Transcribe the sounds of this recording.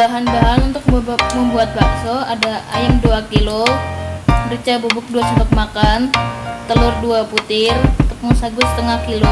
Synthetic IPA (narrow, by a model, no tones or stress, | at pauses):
baɦanbaɦanunt̪ʊk̚məmbuat̪̚baksoadaa̰jamduakilo | rit͡ʃabubʊk̚duasəbak̚makant̪əlʊrduaput̪ɪrut̪ʊk̚musaɡʊsə̥t̪əŋahkilo